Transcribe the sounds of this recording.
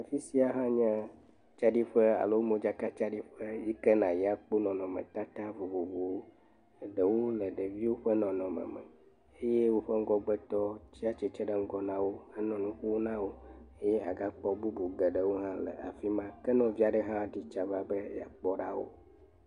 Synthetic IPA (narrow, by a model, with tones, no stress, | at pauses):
a˨fi˦si˦a˨ɦã˦ɲɛ̃˦ | t͡ʃa˦ɖi˦ɸə˦a̰˨lo˦wo˦mõ˦d͡ʒa˦ka˦t͡ʃa˦ɖi˦ɸə˦ji˦kɛ˦nã˨ji˦a˦˨k͡po˦nɔ̃˨nɔ̃˨mɛ̰̃˨t̪a˦t̪a˦vo˨vo˨vo˨wo˦˨ | ɖə˨wo˦lə˨ɖə˨vi˦wo˦ɸə˦nɔ̃˨nɔ̃˨mə̰̃˨mɛ̰˨ | e˦je˦wo˦ɸə˦ŋ̩˦ɡɔ˦ɡ͡bɛ˦t̪ɔ˦t͡ɕi˦a˦t͡ʃɛ˨t͡ʃɛ˦ɖə˦ŋ̩˦ɡɔ˦nã˦wo˦ə˦nɔ̃˨nũ˦ɸu˦wo˦nã˦wo˦e˦je˦ʔa˨ɡa˦k͡pɔ˦bu˦bu˨ɡɛ˨ɖə˨wo˦ɦã˦lə̰˨a̰˨fi˦mã˦kɛ˦nɔ̃˨vi˦a˨ɖə˦ɦã˦˨ɖi˦t͡ʃa˨va˦bə˦ja̰˨k͡pɔ˦ɖa˦wo̰˦